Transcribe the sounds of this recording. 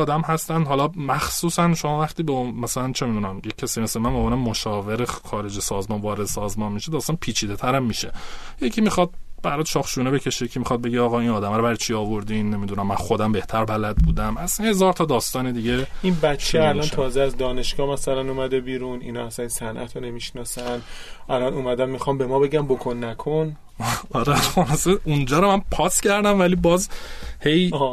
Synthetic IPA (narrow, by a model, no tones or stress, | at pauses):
ɒːd̪æmɦæst̪ænd̪ɦɒlɒmæxsuːsænʃo̞mɒːvæχt̪iːbemæsælænt͡ʃʰe̞mid̪uːnæmjecʲʰːæsiːmæsæmænmoːmenemoʃɒːveɾexɒːɾe̞d͡ʒesɒːzmɒnvɒːɾe̞d̪esɒːzmɒnmiʃed̪ɒːst̪ɒnpʰiːt͡ʃʰiːd̪e̞t̪ʰæɾæmːiːʃe̞jecʰimixɒd̪̚b̥æɾɒt̪ʃɒːxʃuːnebe̞cʰe̞ʃejecʰimixɒd̪̚be̞ɟeɒːɣɒinɒːd̪æmæɾobæɾt͡ʃʰiɒːvo̞ɾd̪inːe̞mid̪unæmːænxod̪æmbe̞ht̪ʰæɾbælæd̪̚buːd̪æmæsænhe̞zɒːɾt̪ʰɒːd̪ɒːst̪ɒːned̪iɟeinbætːt͡ʃʃʰːeælɒnʃʰɒːzeæzd̪ɒːne̞ʃɡɒːhmæsælænumæd̪ebiːɾunḭnɒ̰ːæsænnsænʔæ̰t̪ʰone̞miʃnɒːsænʔælɒnuːmæd̪ænmixɒmbemɒːbe̞ɡæmbokʰonːækʰon | æɾɛxonɒseund͡ʒɒːɾomænpʰɒːscʰæɾd̪æmvælibɒːzhe̞jː